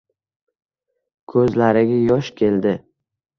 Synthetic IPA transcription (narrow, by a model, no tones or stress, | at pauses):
kʰɵzlaɾɪɡʲajɒʃkʲʰe̞ld̪ɪ